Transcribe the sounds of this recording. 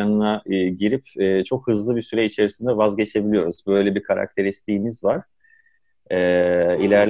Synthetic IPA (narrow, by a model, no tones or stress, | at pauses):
anɯnaɟiɾipɛːt͡ʃʰo̞khɯzlˠɯbisyɾɛit͡ʃʰe̞ɾisind̪ɛvazɟe̞t͡ʃʰe̞bilijo̞ɾuzbø̞jlʲebikʰaɾa̰k̚t̪ʰe̞ɾist̪ʰiːnizvaɾ̥ | ɛːilʲæɾlʲ